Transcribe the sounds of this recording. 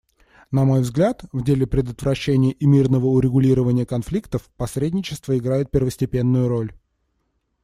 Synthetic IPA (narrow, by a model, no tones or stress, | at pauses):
nɐmo̞jvzɡlʲat̪vdʲelʲɪpɾʲɪd̪ət̪vɾɐɕːenʲɪjəʔimʲirnəvəʊɾʲɪɡʊlʲiɾəvənʲɪjəkɐnflʲikt̪əfpɐsɾʲedʲnʲɪt͡ɕɪ̥st̪vəɪɡɾajɪt̪̚pʲɪrvəsʲtʲɪpʲe̞nːʊjʊɾo̞lʲ